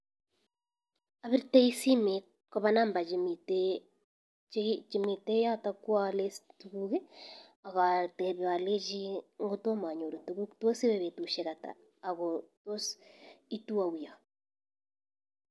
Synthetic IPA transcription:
a˨βi˦ɾtɛ˦i˦si˦me˨ | kɔ˦βa˦na˦mba˨d͡ʒimitɛ | t͡ʃi˨mi˨tɛ˦ja˦ta˦kwa˦lɛ˦stu˨ɣuɣɛ˦ | a˨ɣa˨tɛ˨βa˨lɛ˦ʒi˦ŋɡo˦to˦ma˨ɲo˨ɾo˨tu˨ɣu˦tɔ˦si˦βɛ˨βɛ˨tu˨ʃɛ˨ɣa˨ta̰ː˨ | ɣɔtwɔ˦si˦tu˦a˨u˨ja˨

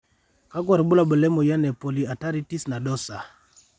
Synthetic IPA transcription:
ka˦k̬wa˨ɾbu˦la˦bə˨lɛ˦mɔ˨ja˦nɛ˨pɔ˨li˨a˨ta˦ɾi˦ti˦sna˨dɔ˦sa˨

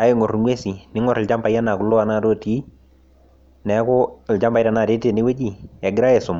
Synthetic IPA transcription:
a˨e˦ŋɔ˨rŋwe˦si˨nɪ˦ŋɔ˨ɾɪ˨lt͡ʃa˦mba˨ja˦na˨kʊ˨lʊ˦a˨na˦˨to˦ti˨˦ | nɛ˨˦kʊ˦˨ld͡ʒa˦mba˨jta˨na˨te˦te˦˨nɪ˦we˦d͡ʒi˨ɛ˨ɡɪ˦ɾa˦jɛ˨sʊ˨m

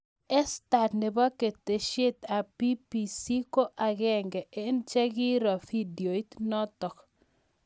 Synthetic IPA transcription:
ɛ˦sta˨tne˨ba˦ke˨t̪e˨ʃe˦t̪a˨pi˦pi˨si˦ko˦ʔa˨ɡɛ˦ŋɡɛ˨ʔe˦nt͡ʃɛ˦ɡi˦ɾɔ˨fi˦djo˨i˦t̪nɔ˦t̪ɔ˨k

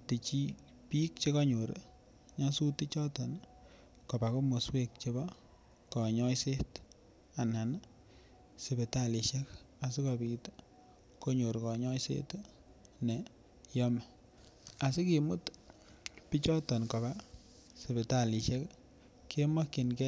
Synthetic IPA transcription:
ti˨t͡ʃi˦ | pi˦k̚t͡ʃe˦ka˦ɲo˨ɾ | ɲa˦su˦ti˦t͡ʃɔ˦tɔn | kɔ˨ba˨ko˦mo˨swe˦k̚t͡ʃe˧ba˦ | kɔ˨ɲɔ˦jse˦t | a˨nha˨n | se˨be˨tali˨ʃɛ˦k | a˨s̬i˦ka˨bi˨t | ko˦ɲo˨ɾkɔ˨ɲɔ˦jsḛ˦t | ne˨ | jɔ˦ma˨ | a˨si˦ki˨mu˦t | pi˦t͡ʃɔ˦tɔ˨nkɔ˨ba˦ | se˨be˨ta˨li˨ʃɛ˦k | ke˦ma˦ki˨nkɛ

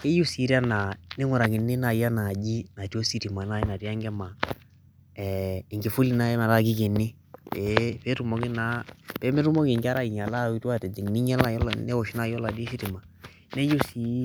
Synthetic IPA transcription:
ke˦ju˦si˨˦ɾa˦na˨ne˦ŋu˨ɾa˨ki˨ne˦na˨ja˦na˨d͡ʒi˦na˨ti˦o˦si˦ti˨ma˨na˦i˦na˨ti˦a˦ŋɡɛ˦ma˨ | ɛ˨i˨ŋɡi˨fu˦li˦na˦na˨la˦ɡi˦ke˨ni˦ | pɛ˨pɛ˦ɾu˨mɔ˨˦ɡi˦na˦pɛ˦mɛ˦ɾu˦mɔ˦ki˨ŋɡa˦ɾa˦i˨ɲa˨la˦˨˦tu˦a˦˨tɛ˨d͡ʒɛ˨ŋ˨ni˦ɲɛ˦la˦˨jɔ˦lnɛ˦ɔ˨ʃi˦na˦˨jɔ˦la˨di˦si˦ti˨ma˨ | nɛ˦ju˦si˨˦

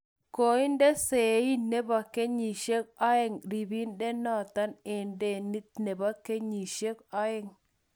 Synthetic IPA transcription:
ko˨i˦ndɛ˦se˨˦i˦ne˦ba˨ke˦ɲi˨ʃe˦k̚ɔ˦ɛ˦˨ŋɾi˨bi˦ndɛ˦nɔ˦˨t̪a˦nɪ˨nde˦ni˦t̪ne˨ba˦ke˦ɲi˨ʃe˦kɔ˦ɛ˦ŋ

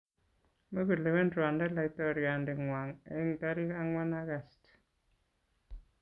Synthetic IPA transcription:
me˦ɡu˨le˨wɛ˦ndɾa˨ndɛ˦la˨i˦tɔ˦ɾja˨ndɪ˨ŋwa˨ŋe˨˦ŋ˨ta˦ɾi˦ka˦ŋwa˦na˦ɣa˨st

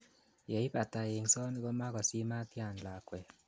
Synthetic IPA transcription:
jɛ˨i˦pa˨ta˨e˨ŋsɔ˦ni˦ɣɔ˦ma˦ɣɔ˨si˦ma˦t̪ja˦˨nla˨kwɛ˨

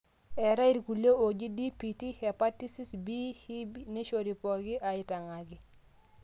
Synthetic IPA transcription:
ɛ˨ɾa˦i˦ɾku˨ljo˦o˨d͡ʒi˦di˦pi˨ti˦hɛ˨pa˦ti˦si˦sbi˦hi˦ne˦ʃo˨ɾi˨pɔ˨ɡɪ˦ʔa˨ɪ˨ta˨ŋa˨ɡɪ˦

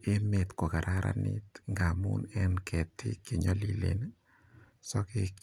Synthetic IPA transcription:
e˦me˨t̪ko˨ka˨ɾʔa˦ɾʔa̰˦nḭt̪ŋɡa˨mṵnɛ˦nkʰɛ˨tɪ˦kːe˨ɲɔ˦li˦lḛ˨n | sɔ˦kɪk

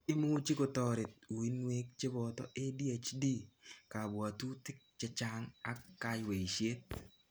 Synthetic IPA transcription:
ɪ˦mu˦t͡ʃi˦ko˨tɔ˨ɾɪ˨t̪̚u˨i˦nwe˦k̚t͡ʃɪ˦bɔ˨tɔ̰˦ʔe˦di˦a˨t͡ʃdi˦ka˨bwa˨tu˦tɪ˦k̚t͡ʃɛ˦t͡ʃa˦ŋa˦kːa˦jwe˨i˨ʃe˦t̪̚

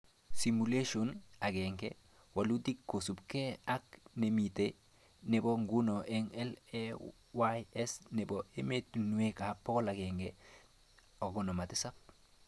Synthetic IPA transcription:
si˨mule˦ʃona˨ɡeŋɡḛ | wa˨lu˦di˦kːo˨su˨bke˦a˦k̚ne˨mite | ne˨bo˦ŋɡu˦no˨ʔɛŋɛ˦lɛ | wajɛ˦sne˨boe˦me˦tunu˨e˦ka˨pɔ˦kɔ˦la˨ɡɛŋɡe | o˨ɡɔno˨ma˨tɪ˦sa˦p

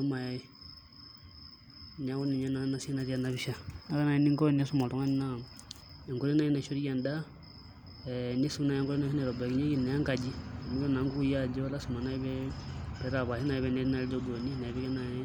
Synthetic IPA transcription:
ɔ˦ma˨a˨ | nɛ˨a˦wɔ˦ni˨ɲa˦na˦na˦si˦na˦ɾi˦a˨naβi˦ʃa˨na˦ka˦na˨i˦ni˦ŋkɔ˦˨ni˦a˦su˦ma˨tɔ˨˦ŋa˦ni˦na˦ | ɛ˨ŋɡo˦ɾi˦na˦i˦na˨ʃɔ˦ɾi˦a˨nda˦ | ɛni˦su˦na˨a˨˦ŋɡɔ˦ɾi˦na˦ʃi˦nɛ˨ɾɔ˨ba˨ki˦ɲe˦ki˦na˨ja˦ŋka˨d͡ʒi˦a˨ni˦jɔ˦na˨ŋɡu˦ja˦˨d͡ʒɔ˦la˦si˨ma˨na˦i˦βɛpɛ˨ɾa˨βa˨hi˦na˨i˦βɛnɛ˨ɾi˦na˨ɾɛ˦d͡ʒɔ˦bo˨ni˦na˨i˨βɛ˦kɛ˦na˨jɛ˦

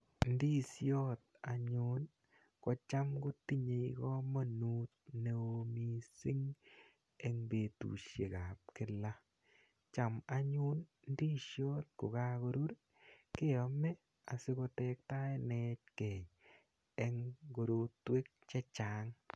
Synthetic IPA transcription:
n˦di˦sjɔ˦t̪̚a˨ɲʊ˦n | kɔ˨t͡ʃa˦mko˦ti˦ɲe˨i˦kɔ˦ma˦nu˦t̪̚ne˦o˨mi˦sɪ˦ŋ | ɛ˦ŋbe˨tṵ˨ʃje˨ka˨p̚kɪ˦la˦ | t͡ʃa˨ma˨ɲʊ˦n | n˦di˦ʃjɔ˦t̪̚ko˨ka˦ko˨ɾu˦ɾ | kɪ˦ɔ˨mɛ˦ | a˨sɪ˦ko˧tɛ˦k̚ta˦e˦nɛ˦t͡ʃ̚kɛ˨ɲ | ɛ˦ŋɡo˨ɾo˨twe˦k̚t͡ʃɛ˦t͡ʃa˨˦ŋ

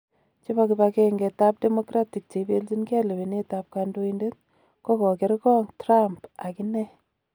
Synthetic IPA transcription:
t͡ʃi˦ba˦ki˨ba˧ke˦ŋɡe˨ta˦p̚de˦mo˦kɾa˦ti˨k̚t͡ʃe˨bi˦lti˦nkɛ˦le˨βi˨ne˦ta˦p̚ka˧ndo˦inde˦t | kɔ˦kɔ˨ke˦ɾkɔ˦ŋtra˦mpa˨ki˦nɛ˦

